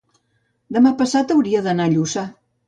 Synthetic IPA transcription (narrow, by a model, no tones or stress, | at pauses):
d̪əmapəsat̪əwɾiəðənaʎusa